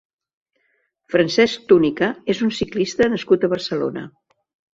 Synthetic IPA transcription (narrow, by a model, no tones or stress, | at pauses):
fɾənsɛsk̚t̪unikəezunsiklist̪ənəskut̪əβərsəlo̰nə̰